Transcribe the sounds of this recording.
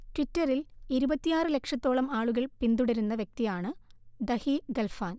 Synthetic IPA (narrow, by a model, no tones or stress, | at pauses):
twitːɐriliɾubɐt̪ːijaːrɨle̞kʂɐt̪ːo̞ːɭɐmaːɭuɣɐɭpind̪uɽɐɾunːɐʋjek̚t̪ijaːɳɨd̪ɐhiɡɐlfaːn